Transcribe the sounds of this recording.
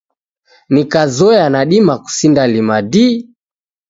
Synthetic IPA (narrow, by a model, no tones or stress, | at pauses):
nikazɔjanaɗimaku̥sindalimadi